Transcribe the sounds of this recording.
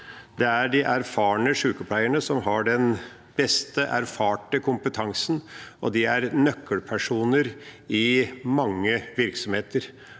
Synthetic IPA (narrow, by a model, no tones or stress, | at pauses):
d̪ɛæɖɪʔæɾfɑːɳəʂʉːkəpʰlæɪəɳəsɔmɦɑɖɛn | b̥ɛst̪əʔæ̰ɾfɑːʈəkʰʊmpət̪ʰɑŋsənʔɔ̰d̪ɪæɾnœkʰːəlpʰæʂuːnəɾɪmɑŋːəʋɪɾksɔmheːt̪əɾ